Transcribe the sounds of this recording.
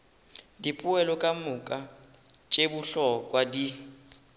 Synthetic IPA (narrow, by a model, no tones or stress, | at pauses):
dipʼuɛlɔkʼamukʼa | t͡ʃʼebuɬɔkʼwadi